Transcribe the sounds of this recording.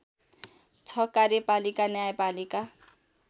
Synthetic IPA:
t͡sʰʌkarjʌpalikanjajapalika

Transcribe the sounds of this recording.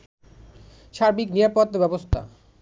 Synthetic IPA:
ʃaɾbiknijapod̪ebɛbost̪ʰa̰

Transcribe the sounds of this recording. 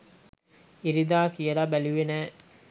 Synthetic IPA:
iɾid̪aːkijəɾabæliʋenæː

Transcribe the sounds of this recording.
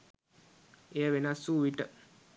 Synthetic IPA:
ejəʋenasːuʋiʈə

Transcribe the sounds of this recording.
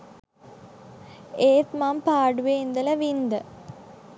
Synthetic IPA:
eːt̪mampaːɖuʋeind̪ələʋind̪ə

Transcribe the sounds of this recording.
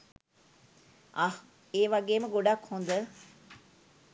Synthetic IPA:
ah | eːʋaɡeːməɡoɖakhund̪ə

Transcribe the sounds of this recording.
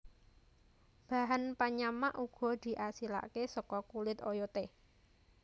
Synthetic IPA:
b̥ä̤ɦanpaɲamaʔuɡ̥ɔ̤d̪̥i̤ʔasila̰ʔkesɔkɔkulɪt̪ojot̪e

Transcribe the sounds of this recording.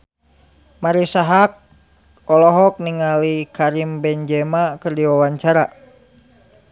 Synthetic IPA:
maɾisaɦak̚ | ɔlɔɦɔk̚niŋalikaɾimbɛɲd͡ʒɛmakɨrdiwawaɲt͡ʃaɾa

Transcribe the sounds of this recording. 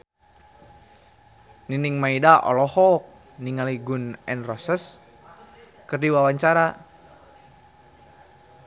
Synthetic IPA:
niniŋmaidaʔɔ̰lɔhɔk̚ | niŋaliɡunɛnrɔsəs | kərdiwawaɲt͡ʃaɾa

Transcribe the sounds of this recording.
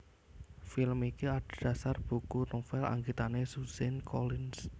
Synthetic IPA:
filmikiaɖd̥a̤sarb̥ṳkunofɛla̰ŋɡit̪anesusɛnkɔlɪns

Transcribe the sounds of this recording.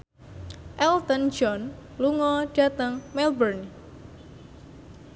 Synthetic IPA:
ʔɛlt̪ənd͡ʒɔnluŋɔɖ̥a̤t̪əŋmɛlbərn

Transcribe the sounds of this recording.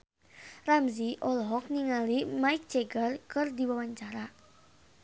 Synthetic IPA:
ramziʔɔlɦɔk̚niŋalimaik̚t͡ʃɛɡərkɨrdiwawaɲt͡ʃaɾa

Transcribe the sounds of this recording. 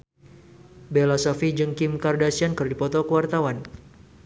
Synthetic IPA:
belasɔfid͡ʒɨŋkimkardasiankɨrdipɔt̪ɔkəwart̪awan

